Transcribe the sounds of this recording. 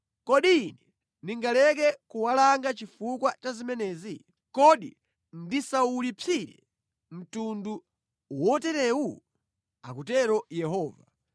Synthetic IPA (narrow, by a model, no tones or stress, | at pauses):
kɔɗiːnɛ | niŋɡalɛkɛkuwalaŋɡat͡ʃifukwat͡ʃazimɛnɛːzi | kɔɗḭ | ndisaulipʰiɾɛ̰ | m̩tundu | wɔtɛɾɛwu | a̰kutɛɾɔjɛhɔːva